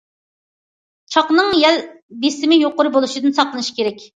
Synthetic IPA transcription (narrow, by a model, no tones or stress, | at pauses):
t͡ʃʰɑqnɨŋjɛl | d̪esɪmɪjoqʊɾʊbolˠuʃid̪ɨnsɑqlˠɨnɨʃi̥kʲʰeɾɛkʲ